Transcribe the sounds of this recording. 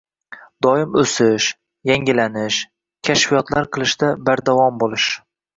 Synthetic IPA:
d̪ɒjɪmɵsɪʃ | jaŋʲɪlanɪʃ | kʲʰaʃfijɒt̪laɾqʰɨlˠɪʃd̪abaɾd̪avɒmbolˠɪʃ

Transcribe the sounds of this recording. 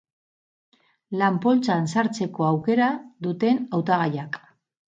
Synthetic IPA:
lampo̞lt͡sansaɾt͡se̞ko̞awke̞ɾaðut̪e̞nawt̪aɣ̞ajak

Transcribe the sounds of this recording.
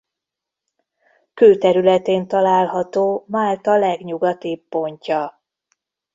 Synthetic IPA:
køːt̪ɛɾylɛt̪eːnt̪ɒlaːlɦɒt̪oːmaːlt̪ɒlɛɡɲuɡɒt̪ibːo̞ɲcɒ

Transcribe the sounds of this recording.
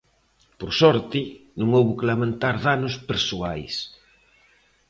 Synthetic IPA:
poɾsɔɾt̪ɪnũŋowβʊkelamẽnt̪aɾðanʊspeɾsuajs

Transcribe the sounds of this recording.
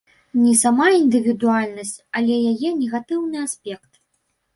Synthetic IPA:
nʲɛsamaind̪ɨvʲid̪ualʲnɐsʲt͡sʲalʲɛjajɛnʲɛɣat̪ɨwnɨasʲpʲɛkt̪

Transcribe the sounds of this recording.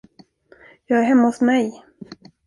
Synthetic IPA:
jɑːɡæɾɦɛmːahʊsmɛj

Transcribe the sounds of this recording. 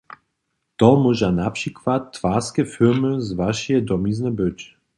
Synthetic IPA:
t̪ɔmuʒanapʂikvat̪ːvaskɛfiɾmɘzvaʃjɛd̪ɔmiznɛbɘt͡ɕ

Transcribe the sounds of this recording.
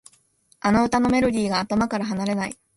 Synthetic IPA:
anoɯ̟t̪ano̞me̞ɾo̞dʲiːɡaːt̪omakaɾaɦanaɾe̞nai

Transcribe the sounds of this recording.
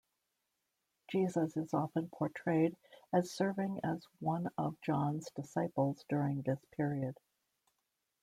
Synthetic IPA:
d̥ʒ̥izəzɨzɑfə̃npʰɔɹtʰɹ̥eɪɾɨz̥sɜ˞vɪ̃ŋɨzwʌ̃nʌvd͡ʒɑ̃nzdɨsaɪpl̩ˠzdʊɹɪ̃ŋðɪspʰɪɹiɨd̥

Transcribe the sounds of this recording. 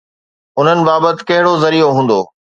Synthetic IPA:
ʊn̤ənɪ̆baːbət̪ɪ̥̆kɐɦɪɽozɐɾijoɦũːn̆d̪o̰ː

